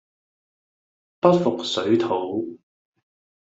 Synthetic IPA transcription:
pɐ˥t̚fʊ˨k̚sɵ˨˥ɥt̪ʰo˨˥w

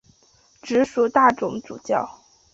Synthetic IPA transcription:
ʈ͡ʂɻ̩˧˥ʂu˨˥t̪a˥˩ʈ͡ʂʊ˧˥ŋt͡sṵ˨˩t͡ɕjɑ˥˩ʊ

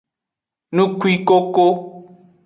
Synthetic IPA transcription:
nũ˦kwi˦ko˦ko˦

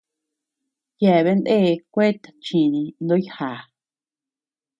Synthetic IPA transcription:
jɛ˧˨βe˧˦nd̪e˦˨˧kʷe˦t̪ḁ˨t͡ʃĩ˨nĩ˧nd̪õ˦jha˨

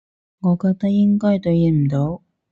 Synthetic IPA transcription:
ŋɔː˨˧kɔ˧t̪a˥jɪ˥ŋkɔː˥jt̪ɵ˨˧ji˧˥˩m̩˨˩t̪o˨˧˥w

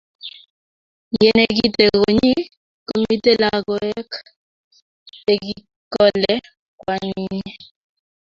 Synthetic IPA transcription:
jɛ˦ne˦k̬i˦te˨ko˨ɲi˦ | ko˦mi˦te˦la˨kɔ˨ɛ˦k | e˨ki˦ | kɔ˦lɛ˦ | kwa˦ni˦

